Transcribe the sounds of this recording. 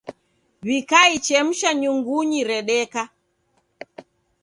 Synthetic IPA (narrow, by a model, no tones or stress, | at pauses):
βikait͡ʃɛm̩ʃaɲuŋɡuɲiɾɛɗɛka